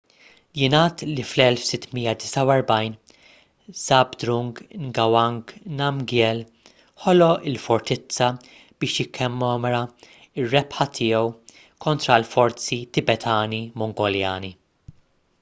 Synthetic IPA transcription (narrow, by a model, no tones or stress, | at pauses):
jɪnɐːt̪liflɛlfsɪt̪ːmijːɐd̪ɪsɐwɛɾbɐjn | z̥ɐbd̪ɾʊŋɡŋɡɐwɐŋɡnɐmɡjɛl | ħɔlɔʔɪlfɔɾt̪ɪt͡sːɐ | b̥ɪːʃjɪkʰːɛmːɔːmɛɾɐ | ɪrːɛpħɐt̪ʰɪːɛw | kʰɔnt̪ɾɐlfɔɾt͡sit̪ɪbɛt̪ʰɐːnimɔŋɡɔljɐːni